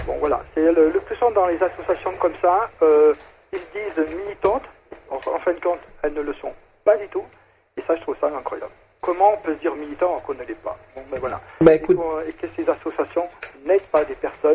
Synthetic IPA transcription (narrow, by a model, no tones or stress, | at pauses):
bɔ̰̃vwala̰sɛlələplysɑ̃d̪ɑ̃lezasɔsjasjɔ̃kɔmsaø | ild̪izmilit̪ɑ̃t̪ | ɑɑ̰̃fɛ̃d̪əkɔ̃t̪ɛlnələsɔ̰̃ | pad̪yt̪u | esaʒət̪χuvsaɛ̃kχwaja̰bl | kɔmɑ̃ɔ̃pøsd̪iʁmilit̪ɑ̃ɔʁkɔ̃nəlɛpa̰bɔ̃bavwala̰bauɔ̃ekəsezasɔsjasjɔ̃nɛd̪pad̪epɛʁsɔn